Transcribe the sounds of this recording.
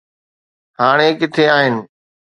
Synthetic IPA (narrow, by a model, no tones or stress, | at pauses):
ɦaːɽ̃ekɪt̪ʰeaːɦɪnɪ̆